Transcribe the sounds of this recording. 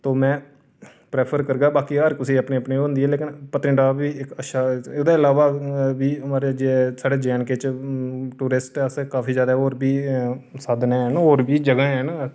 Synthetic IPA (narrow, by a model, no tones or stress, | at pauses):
t̪oːmɛ̃ː | pɾeːpʰəɾkəɾɡaːbaːkiɦəɾkʊsiːəpnẽːəpniːoːnd̪iːɛːleːkɪnpət̪ɾɪ̃ɳɖaːbiːɪkəʃaːd̪ãːɪlaːʋaːbiːəmaːɾed͡ʒesaːɖeːd͡ʒɛːnket͡ʃ | ʈuːɾɪsʈəskaːpʰiːzjaːd̪aːɦɛoːɾbiːsaːd̪nɛ̃ːnoːɾbiːd͡ʒəɡaːɦɛːnː